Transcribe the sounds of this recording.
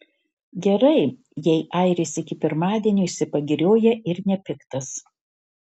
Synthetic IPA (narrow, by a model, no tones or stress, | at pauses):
ɡʲɛɾɐɪ | jɛɪʔɐɪɾʲɪsɪkʲɪpʲɪɾmɑːd̪ʲiːnʲuːɪʃʲsʲɪpɐɡʲɪɾʲoːjɛɪɾnʲɛpʲɪkt̪ɐs